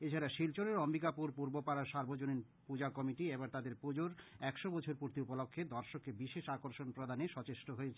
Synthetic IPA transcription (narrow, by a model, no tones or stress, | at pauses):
et͡ɕʰaɾaʃilt͡ɕoɾeɾɔmbikapuɾpuɾbopaɾaɾʃaɾbʱod͡ʑonin | pud͡ʑakɔmiʈiebaɾt̪ad̪eɾpud͡ʑoɾɛkʃobɔt͡ɕʰoɾpuɾt̪iupolokʰːed̪ɔɾʃokːebiʃeʃakoɾʃonpɾod̪ʱaneʃɔt͡ɕeʃʈoɦoet͡ɕʰe